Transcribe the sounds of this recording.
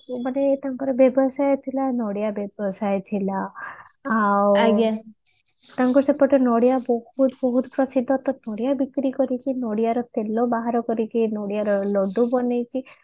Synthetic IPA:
manet̪aŋkɔɾɔbjɔbɔsajt̪ʰilanɔɽijabjɔbɔsajt̪ʰilaː | wɡa | t̪aŋkɔsepɔʈʰɔnɔɽijabɔhut̪bɔɦut̪pɾɔsid̪ʱːɔt̪ɔnɔɽijabikɾikɔɾikinoɽijaɾɔt̪elobaɦaɾɔkɔɾikinoɽijaɾɔlɔɖubɔnejki

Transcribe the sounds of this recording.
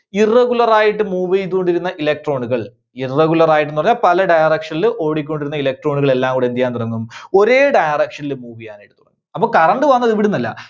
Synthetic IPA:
irːeɣulɐraːjiʈːɨmuːʋijt̪̬ukoɳɖiɾunːɐʔilek̚ʈro̞ːɳuɣɐɭ | ireɣulɐraːjiʈːenupɐrɐɲːaːlpɐlɐɖɐjɐrekʂɐnilɨʔo̞ːɽikʲːo̞ɳɖiɾunːɐilek̚ʈro̞ːɳuɣɐɭe̞lːaːŋkuːɽend̪ijːaːnt̪urɐŋːumo̞ɾe̞ːɖɐjɐrɐkʂɐnilɨmuːʋijaːnajʈːɨt̪uɽɐ̰ŋːuɐpːoːkɐrɐɳɖɨʋɐnːɐðiʋiɽunɐlːɐ̰

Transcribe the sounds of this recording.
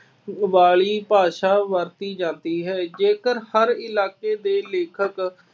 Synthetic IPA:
ʋaːɭiːpaːʃaːʋəɾt̪iːd͡ʒãːnd̪iːɦɛːd͡ʒeːkəɾhəɾɪlaːkeːd̪eːleːkʰək

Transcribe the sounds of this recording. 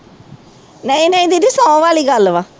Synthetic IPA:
nəĩnə̃ĩd̪id̪isãʋaːliːɡəlʋaː

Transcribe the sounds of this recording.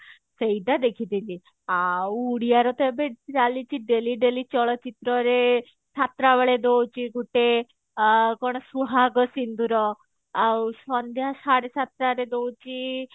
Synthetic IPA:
seid̪ad̪ekʰit̪it͡ʃi | auːɽijaɾɔt̪ebeiɾalit͡ʃiɖeliɖelit͡ʃɔɭɔt͡ʃit̪ɾɔɾe | sat̪ɾaʋəɭed̪owt͡ʃiɡuʈe | kɔɽ̃ɔsuɦaɡɔsind̪uɾɔ | awsɔnd̪ʱjasaɽesat̪ɾaɾed̪owt͡ʃi

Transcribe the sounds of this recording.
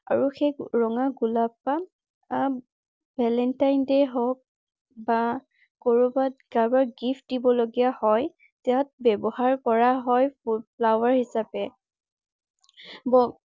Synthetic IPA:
a̰ɹuxeɹɔŋaɡulapːa | a | bʱɛlɛntajndeɦɔk̚ | ba | koɹubat̚ɡabaɹɡift̚dibɔloɡijahɔj | tɛat̚bɛbɔhaɹkɔɹaɦɔjpupʰlawaɹhisapɛ | bɔ

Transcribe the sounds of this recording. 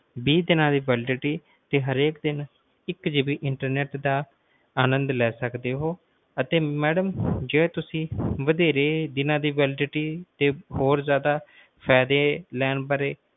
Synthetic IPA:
biːd̪ɪnãːd̪iːʋɛːlɪɖɪʈiː | t̪eːɦəɾeːkd̪ɪn | ɪkd͡ʒɪbiːʔɪɳʈəɾnɛːʈd̪aː | aːnə̃nd̪lɛːsəkd̪eːɦoː | ət̪eːmɛːɖəmd͡ʒeːt̪ʊsĩːʋəd̪eːɾeːd̪ɪnãːd̪iːʋɛːlɪɖɪʈiːt̪eːhoːɾzjaːd̪aː | pʰɛːd̪eːlɛːnbəɾeː

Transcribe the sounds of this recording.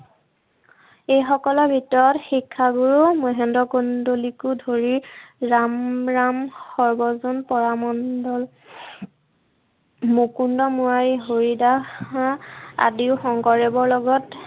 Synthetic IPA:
ejxɔkɔlɔbʱitɔɹɔtxikʰːaɡuɹumɔɦɛndɹɔkondolikʊdʱoɹiɹamɹamxɔɹbɔzɔnpɔɹamɔndɔl | mukundɔmuɹajiɦoɹidaxaa̰diʊxɔŋkɔɹɛbɔɹlɔɡɔt

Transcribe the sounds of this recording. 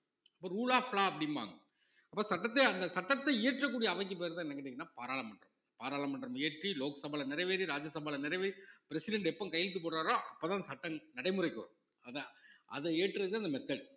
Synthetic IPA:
ɐpːoːɾuːɭaːfɭaːɐpːɐɽɪnʋa̰ːŋɡɐ | ɐpːoːsɐʈːɐt̪ːeɐnd̪ɐsɐʈːɐt̪ːɐːʈrɐk̬ːuːɽɪjɐɐʋɐk̬ːɯpeːɾðãnɛ̃ŋɡɐʈːeːŋɡɐnːaːpaːɾaːlɐmpɐɳɖrɐm | paːɾaːlɐmpːɐɳɖɾɐmeːʈriloːkɐsɐbaːlɐnɪɾɐɪʋeːɾiɾaːd͡ʒɐsɐbaːlɐnɪɾɐʋeːɾipɪɾɛsɪɽɐɳɖɛpːõːkɐjɐlɪt̪ːɯpoːʈɾaːɾõːʔɐ̰pːoːt̪ãːsɐʈːɐŋnɐɽɐɪmɯrɐɪkːɯ̰ɾ | ɐðɐʔɐ̰ðɐeːʈːɾɐðɯɐnd̪ɐmɛt̪ːɐɭ

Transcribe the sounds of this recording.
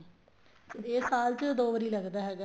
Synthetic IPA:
seeːsaːlt͡ʃəd̪oːʋəɾiːləɡd̪aːɦɛːɡa

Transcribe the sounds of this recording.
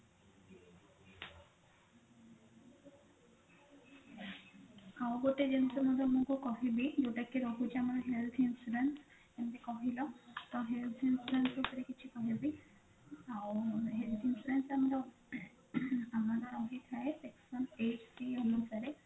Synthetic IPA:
kawɡoʈed͡ʒensɔmɔdɔmũkukɔɦibid͡ʒeʈakiɾɔɦut͡ʃʰiamaɾɔɦelt̪ʰinsuɖens | ɛmdekɔɦilɔt̪ɔɦelt̪ʰinsuɾensetɔɾekit͡ʃʰikɔɦibi | awɦelt̪ʰinsuɖensamaɾɔ | amadaɾɔɦit̪ʰaesɛksɔneʈsiɔnɔsaɾe

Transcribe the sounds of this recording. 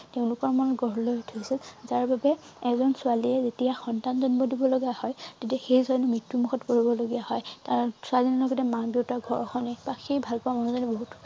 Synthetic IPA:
teʊ̃lʊkɔɹmanɔɡɔɹlojtʰosilzaɹbabɛ | ɛzɔnsʊaliɛzetijaxɔntanzɔnbɔdibɔloɡiahɔjtetiaxejzɔɹnɔmɹitːumuxɔtkoɹibɔloɡijahɔjtaɹsualinalɔɡɔtɛmabiotaɡʱɔɹɔxʰɔnɛbaxejbʱalkɔamɔnɔzɔnɛboɦut

